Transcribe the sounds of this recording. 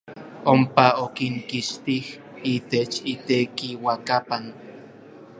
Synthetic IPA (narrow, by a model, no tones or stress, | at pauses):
ompaokiŋkiʃt̪ih | it̪et͡ʃit̪ekiwakapan